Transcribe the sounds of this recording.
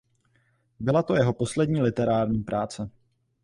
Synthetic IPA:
bɪlat̪o̞jɛɦo̞po̞slɛdɲiːlɪt̪ɛɾaːɾɲiːpɾʔaːt͡sɛ

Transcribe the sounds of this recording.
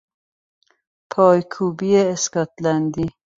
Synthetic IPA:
pʰɔːjkʰuːbieːskɔt̪land̪i

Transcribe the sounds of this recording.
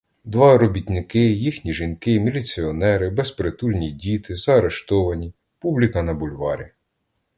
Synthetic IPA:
d̪ʋɑɾɔbʲit̪ʲnɪkɪjixnʲiʒinkɪmʲilʲit͡sʲiɔnɛɾɪbespɾet̪ulʲnʲidʲit̪ɪzɐːɾe̞ʃt̪ɔʋɐnʲi | publʲikɐnɐbʊlʲʋɑɾʲḭ

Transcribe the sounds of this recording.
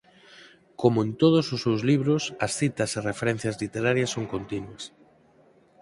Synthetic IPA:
komʊẽnt̪oðʊsʊsːewzliβɾʊsɐsθit̪ɐserefeɾɛn̟θjɐzlit̪eɾaɾjɐsːoŋkont̪inwɐs

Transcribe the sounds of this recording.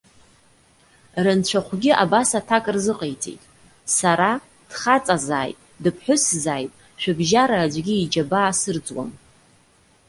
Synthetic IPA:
rɨnt͡ɕʷʰaχʷɡʲia̰basatʰakʼrzɨqʼejt͡sʼḛjtʼ | saɾa | d̥χat͡sʼazaːjtʼ | dɨpʰħʊszaːjtʼ | ʃᶣabʒaɾaːd͡ʒʷɡʲiid͡ʒabaːsɨrd͡zwa̰m

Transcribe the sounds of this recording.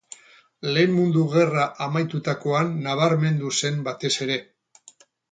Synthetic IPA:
le̞ːmmund̪uɣ̞e̞raʔamajt̪ut̪ako̞anːaβ̞aɾme̞nd̪use̞mbat̪e̞se̞ɾe̞

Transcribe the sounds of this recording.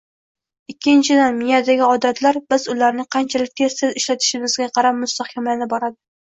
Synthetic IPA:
ɪkʲʰːɪnt͡ʃʰɪd̪anmijad̪aɡʲɪɒd̪at̪ʰlaɾbɪzʊlaɾnɪqʰɑnt͡ʃʰalɪk̚ʲt̪ʰeɾsɪzɪʃlat̪ʰɪ̥ʃɪmɪzɡʲaqʰɑɾap̚mʊst̪ahkʲʰamnɪbɒɾad̪ɪ

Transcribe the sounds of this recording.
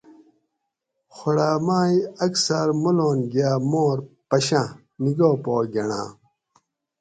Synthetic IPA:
xoɽaːmaːiɐksɐɾmuloːnɡijaːmoːɾpɐɕã | niɡoːpoːɡɐɳa̰ː

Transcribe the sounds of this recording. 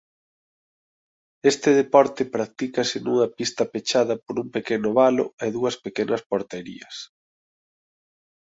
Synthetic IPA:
est̪ɪðepɔɾt̪ɪpɾak̚t̪ikɐsɪnuŋɐpist̪ɐpet͡ʃaðɐpoɾumpekenʊβalo̰eðuɐspekenɐspoɾt̪eɾḭɐs

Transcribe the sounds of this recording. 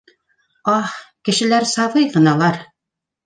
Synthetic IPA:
ɑhkɘ̆ʃɘ̆læɾsɑβɤjʁɤ̆nɑlˠɑɾ

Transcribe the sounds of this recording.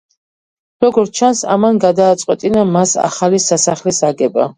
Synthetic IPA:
ɾɔɡɔɾt̪t͡ʃʰansa̰manɡad̪aːt̪sʼqʼwɛt̪ʼinamasa̰χalisasaχlɛsaɡɛba̰

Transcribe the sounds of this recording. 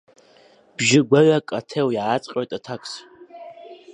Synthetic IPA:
b̥ʒɪɡʷaɥakʼatʰewjaːt͡sʼqʲʼojtʼatʰakʷʼʰs

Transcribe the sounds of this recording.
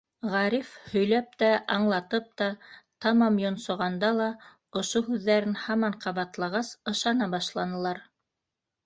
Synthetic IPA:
ʁɑɾifhɵ̆jlæp̚t̪æʔɑɴlˠɑt̪ɤp̚t̪ɑt̪ɑmɑmjŏnsŏʁɑnd̪ɑlˠɑ | ŏʃoɦʉðːæɾɘnhɑmɑɴqʰɑβɑt̪lˠɑʁɑsɤ̆ʃɑnɑbɑʃlˠɑnɤ̆lˠɑɾ

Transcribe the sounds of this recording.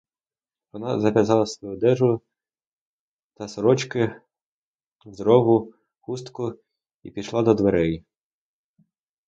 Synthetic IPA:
ʋɔnɑzɐʋʲjɐzɑlˠɐsʋɔjud̪ɛʒʊ | t̪ɐsɾɔt͡ʃkɪ | zɾɔʋʊ | xust̪kʊ | ipʲiʃlˠɑd̪ɔd̪ʋeɾɛj

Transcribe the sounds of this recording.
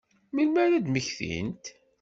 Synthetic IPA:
milmæɾæd̪məçθḭnt̪

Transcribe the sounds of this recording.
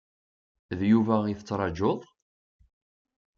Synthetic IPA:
ðjuvæiθət͡sːɾˤɑd͡ʒoðˤ

